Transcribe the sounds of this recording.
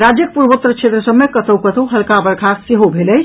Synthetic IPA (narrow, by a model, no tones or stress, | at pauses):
ɾad͡ʒjəkpuɾbot̪ɾət͡ʃʰet̪ɾəsəbmekət̪ʰəwkət̪ʰəwɦəlkabəɾkʰakseɦobʱeləjt͡ʃʰ